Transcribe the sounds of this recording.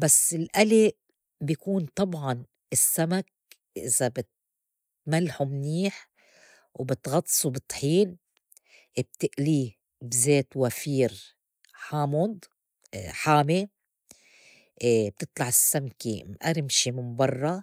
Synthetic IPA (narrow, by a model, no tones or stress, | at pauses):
basːɪlʔali | bjkuːnt̪ˤɑbʕɑn | ɪsːamak̚ | ʔɪ̰z̥abɪt̪ | malːħumniːħ | wbɪt̪ɣɑt̪ˤːsˤubɨt̪ˤħiːn | ʔb̚t̪ɪʔliː | bzeːt̪wafiːɾ | ħaːmʊd̪ˤ | ħaːme | b̚t̪ɨt̪ˤlɑʕɪsːamkimʔaɾɪmʃimɪmbɑrˤːɑ